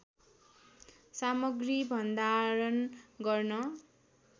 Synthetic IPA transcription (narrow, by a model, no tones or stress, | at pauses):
samʌɡribʱʌnd̪aɾʌnɡʌrnʌ